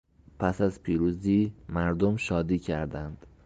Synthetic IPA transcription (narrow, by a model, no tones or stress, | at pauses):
pʰæsæzpʰiːɾuːziːmæɾd̪omʃɒːd̪iːcʰæɾd̪ænd̪̥